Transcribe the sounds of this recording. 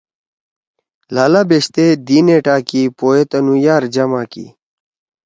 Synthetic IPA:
laːlaːbeɕt̪ed̪iːneːʈaːkipoːet̪ɐnujaːɾd͡ʑɐmaːkḭ

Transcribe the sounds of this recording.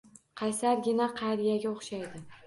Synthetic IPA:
qʰɑjsaɾɡʲɪnaqʰɑjɾijaɡʲaoχʃajd̪ɪ

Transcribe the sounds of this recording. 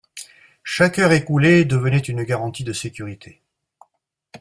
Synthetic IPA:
ʃakœʁekuled̪əvənɛt̪ynəɡaʁɑ̃t̪id̪əsekʲyʁit̪ʰe

